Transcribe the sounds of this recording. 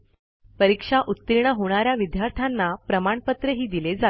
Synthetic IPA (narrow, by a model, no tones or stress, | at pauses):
pəɾikʂaʔut̪ːiɾɳ̃əɦoɽ̃aɾjaʋid̪jaɾt̪ʰanːapɾəmaɳpət̪ɾəɦiːd̪iled͡za